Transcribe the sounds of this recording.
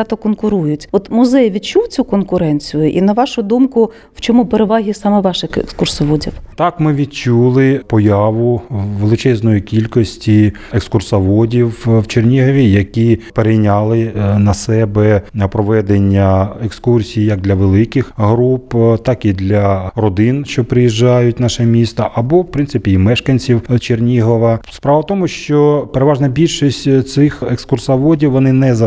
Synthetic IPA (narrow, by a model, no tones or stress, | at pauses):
t̪ɔkɔnkʊɾujʊtʲɔt̪mʊzɛjʋʲid̪t͡ʃuwt͡sʲukɔnkʊɾɛnʲt͡sʲijʊʔinɐʋɑʃʊd̪umkʊ | wt͡ʃɔmupeɾeʋɑɦʲisɑmɛʋɑʃɪxḛkskʊrsɔʋɔdʲiwt̪ɑkmɪʋʲid̪̚t͡ʃulˠɪpɔjɑʋʊʋelˠɪt͡ʃɛznɔjikʲilʲkɔsʲtʲi | ekskʊrsɐʋɔdʲiwʋt͡ʃernʲiɦɐʋʲijɐkʲipeɾejnʲɑlˠɪnɐsɛbɛpɾɔʋɛd̪enʲːɐekskursʲijjɐk̚d̪lʲɐʋelˠɪkɪxɦɾupt̪ɑkid̪lʲɐrɔd̪ɪnʃt͡ʃɔpɾɪjiʒːɑjʊtʲnɑʃɛmʲist̪ɐʔɐbɔwpɾɪnsɪpʲiːmɛʃkɐnʲt͡sʲiwt͡ʃernʲiɦɔʋɐspɾɑʋɐt̪ɔmʊʃt͡ʃɔpeɾeʋɑʒnɐbʲilʲʃisʲtʲt̪sɪxekskʊrsɐʋɔdʲiwʋːɔnɪnɛzɐ